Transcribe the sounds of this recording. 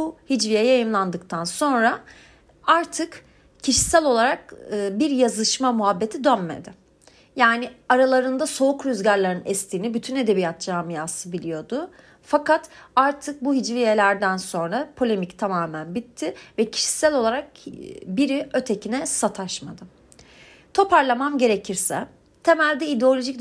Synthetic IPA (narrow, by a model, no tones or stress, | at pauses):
buhid͡ʒvijɛjajɯmlˠand̪ɯkt̪ʰanso̞nɾa | aɾt̪ʰɯk | cʰiʃi̥sælʲo̞lˠaɾakɯːbiɾjazɯʃmamuɦabːe̞t̪ʰid̪ønme̞̰d̪ɪ | jaːnɪaɾalˠaɾɯnd̪aso̞ukɾyzɟaɾlʲˠaɾɯnɛst̪ʰiːnibyt̪ʰyne̞d̪e̞bijat̪̚d͡ʒaːmijaːsɯbilʲijo̞d̪ʊ | fakʰat̪aɾt̪ʰɯk̚buɦid͡ʒlʲijelʲæɾd̪ænso̞nɾapʰo̞lʲe̞mict̪ʰamaːmænbit̪ʰːɪvɛcʰi̥ʃi̥sælʲo̞lˠaɾak̚biɾiø̞t̪ʰe̞cʰinɛsat̪ʰaʃmad̪ɯ | t̪ʰo̞pʰaɾlˠamanɟe̞ɾecʰiɾsɛ | t̪ʰe̞mælʲd̪ɛid̪eo̞lʲo̞ʒic̪